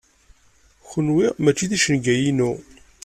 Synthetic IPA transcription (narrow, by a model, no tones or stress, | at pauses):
xənwiʁmæt͡ʃːiðiʃənɡæjinu